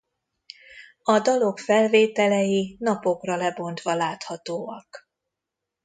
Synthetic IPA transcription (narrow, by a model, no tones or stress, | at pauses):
ɒd̪ɒlo̞kfɛlveːt̪ɛlɛjinɒpo̞krɒlɛbo̞nt̪ʋɒlaːt̪hɒt̪oːɒk